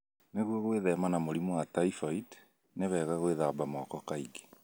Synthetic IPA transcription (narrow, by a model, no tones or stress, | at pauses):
neɣwɔɣweðɛmanamoɾimuwataifɔid | neβɛːɣaɣweðabamɔkɔkaiɡe̥